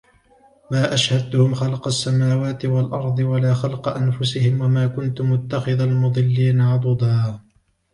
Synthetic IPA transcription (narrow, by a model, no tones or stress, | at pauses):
maːʔaʃhad̪ːʊhʊmxɑlqɑsːamaːwaːt̪ɪwalʔɑɾˤd̪ˤɨwalaːxɑlqɑʔanfʊsɪhɪmwamaːkʊnt̪ʊmːʊt̪ːaxɪðalmʊd̪ˤɨlːiːnaʕɑd̪ˤʊd̪ˤɑː